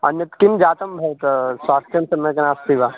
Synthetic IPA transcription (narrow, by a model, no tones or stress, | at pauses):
ɐ̰njɐt̪kind͡ʒaːt̪ɐmbʱɐjt̪saːst̪jɐmsɐmɐknaːst̪iʋaː